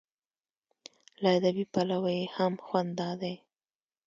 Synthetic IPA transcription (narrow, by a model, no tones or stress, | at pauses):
laad̪abipalawajehamxwand̪d̪ɑd̪aj